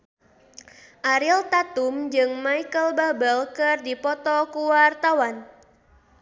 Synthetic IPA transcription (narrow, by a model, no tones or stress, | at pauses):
ʔaɾilt̪at̪umd͡ʒɨŋmaikəlbabəlkɨrdipɔt̪ɔkuwart̪awan